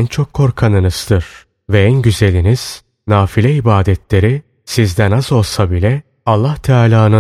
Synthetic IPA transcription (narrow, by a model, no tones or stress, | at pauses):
nt͡ʃʰo̞kʰːo̞ɾkʰanɯnɯz̥d̪ɯɾ̥ | vɛænɟyze̞lʲiniz̥ | naːfilʲɛibaːd̪ɛt̪ʰlʲe̞ɾi | sizd̪ænazo̞lˠsabilʲɛ | alˠːaht̪ʰaːlʲaːnɯ